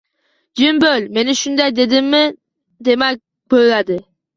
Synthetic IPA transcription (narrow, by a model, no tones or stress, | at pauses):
d͡ʒimbølʲme̞nɪʃʊnd̪ajd̪e̞d̪ɪmːɪ | d̪e̞mæ | bøjlad̪ɪ